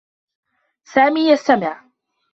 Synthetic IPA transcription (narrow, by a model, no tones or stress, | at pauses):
saːmiːjast̪amɪʕ